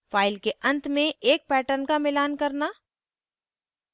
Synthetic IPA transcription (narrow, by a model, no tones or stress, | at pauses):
faːɪlkeʔɐ̃nt̪mẽeːk̚pɛːʈəɾnkamɪlaːnkɐɾna